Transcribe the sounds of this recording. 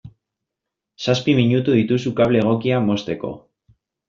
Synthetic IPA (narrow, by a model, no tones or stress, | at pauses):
saspimiɲut̪uðit̪usukaβleːɣ̞o̞kiamo̞st̪e̞ko̞̰